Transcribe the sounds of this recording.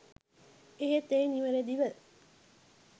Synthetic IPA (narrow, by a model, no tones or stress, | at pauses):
eɦet̪ːeiniʋeɾed̪iʋɐɾ